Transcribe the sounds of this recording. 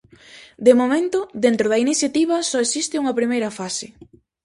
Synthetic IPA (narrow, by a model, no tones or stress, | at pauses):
d̪emomẽnt̪ʊðent̪ɾoðɐiniθjat̪iβ̞ɐsɔesist̪ɪuŋɐpɾimejɾɐfasɪ